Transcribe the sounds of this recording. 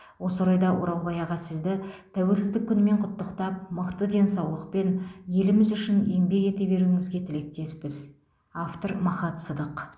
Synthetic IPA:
wo̞səoɾɑjd̪ɑwo̞̰ɾɑlˠbɑjɑʁɑsɪzd̪ɪt̪ʰæwe̞lsɪzd̪ɪkʲʰːʏnme̞ɴqʰʊt̪ːəqt̪ɑp̚məqt̪əd̪e̞nsɑwlˠəqpe̞nje̞lɪmɪzʏʃɪne̞ŋbe̞ke̞t̪e̞be̞ɾuɪŋɪzɡʲe̞t̪ʰɪle̞k̚t̪e̞spɪz | aft̪o̞ɾmɑχɑt̪səd̪əq

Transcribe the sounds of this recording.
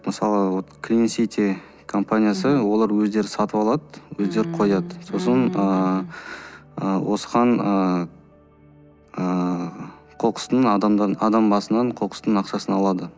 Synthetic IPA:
məsɑlˠəwot̪kɾinsit̪ʲe | kʰo̞mpanʲijasəwo̞lˠɑɾwɵzd̪e̞ɾɪsɑt̪əpɑlˠɑd̪əwɵzd̪e̞ɾɪqʰo̞jɑd̪əso̞sənə | əwosəʁɑɴə | ə | qʰo̞qə̥st̪əɴɑd̪ɑmd̪ɑɑd̪ɑmbɑsənːɑɴqʰoqə̥st̪əɴɑqʃɑsənɑlˠɑd̪ə

